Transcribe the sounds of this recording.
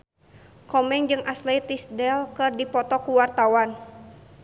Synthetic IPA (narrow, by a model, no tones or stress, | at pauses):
kɔmɛŋd͡ʒɨŋʔaslɛt̪isdɛlkɨrdipɔt̪ɔkuwart̪awan